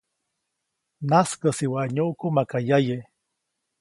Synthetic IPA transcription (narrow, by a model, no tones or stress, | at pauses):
naskəsiwaʔɲuʔkumakajaje